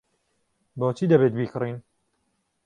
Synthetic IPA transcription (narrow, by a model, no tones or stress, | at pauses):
boːt͡ʃʰiːd̪ɐbeːt̪̚biːkʰɨrin